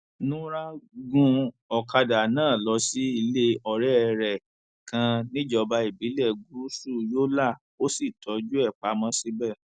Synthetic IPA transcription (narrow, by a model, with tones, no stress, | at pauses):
nũ˦ɾa˦ɡũ˧˦ | ɔ˨ka˧da˨nãː˦˨lɔ˧˦si˦i˧le˦ɔ˧˨ɾɛ˦˧ɾɛ˨ | kã˧nĩ˦d͡ʒɔ˧ba˧˦i˨bi˨˦lɛ˦˨ɡu˨˦su˦˨joː˦la˦˨ | o˦si˦˨tʰɔ˨˦d͡ʒu˦ɛ˦˨k͡pa˨˦mã˧˦si˦bɛ˦˨